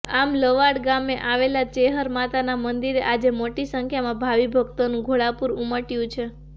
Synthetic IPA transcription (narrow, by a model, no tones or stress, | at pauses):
amləʋaɽɡameʔaʋelat͡ʃeɦəɾmat̪anamənd̪iɾeʔad͡ʒemoʈisəŋkʰjamãbʱaʋibʱəɡt̪onũɡʱoɭapuɾuməʈjũt͡ʃʰe